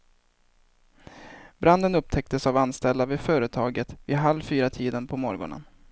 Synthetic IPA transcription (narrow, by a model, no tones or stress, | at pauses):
bɾand̪ənɵp̚t̪ʰɛk̚t̪əsavanst̪ɛlavɪfœːɾət̪ʰɑːɡət̪vɪɦalvfyːɾat̪ʰiːd̪ənpʰɔmɔɾɡɔ̰ɳə̰n